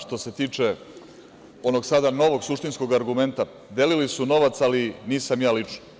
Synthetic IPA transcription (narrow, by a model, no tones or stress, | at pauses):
ʃt̪o̞se̞t̪iːt͡ʂe̞ | o̞no̞ɡsad̪ano̞ʋo̞ɡsuʂt̪insko̞ɡaɾɡume̞nt̪a | d̪e̞lilisuno̞ʋat̪saliniːsamjaːlit͡ʂno